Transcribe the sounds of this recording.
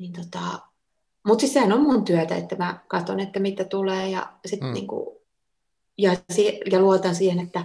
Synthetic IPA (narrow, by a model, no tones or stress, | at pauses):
nint̪ot̪ɑˑ | mut̪sisehænommunt̪yæt̪æ̰ḛt̪ːæmækɑt̪onet̪ːæmit̪ːæt̪uleːjɑ̰sit̪nḭːŋkṵ | jɑsiːjɑluot̪ɑnsiːhenet̪ːæ